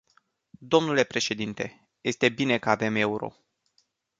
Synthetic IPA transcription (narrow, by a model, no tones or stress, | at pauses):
d̪o̞mnule̞pɾe̞ʃe̞d̪int̪e̞ | je̞st̪e̞bine̞kəave̞me̞uɾo̞̰